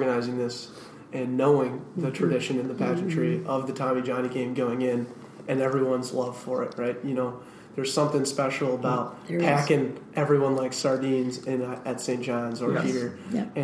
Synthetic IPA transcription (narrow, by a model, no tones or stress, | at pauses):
ɡɨñaɪzɪ̃ŋðɪs | ɨ̃nːoʊɪ̃ŋðɨtʰɹ̥ɨdɪʃɨ̃nɨ̃nðɨpʰæt͡ʃn̩t͡ʃʰɹ̥iʔʌvðɨtʰɑmid͡ʒɑnikʰẽɪ̃mɡoʊɪ̃ŋɪ̃n | ʔɨ̃nɛvɹiwʌ̃nzlʌv̥fə˞ɪ̰t̚ɹaɪt̚jɨnoʊ | ðə˞z̥sʌ̃mθɪ̃ŋspɛʃl̩ˠəbaʊt̚ | pʰækɪ̃ŋʔɛvɹiwʌ̃nlaɪksɑɹdĩnzɪ̃nɨtsẽɪ̃ntd̥ʒ̥ɑ̃nzə˞iɾə˞ɨ̃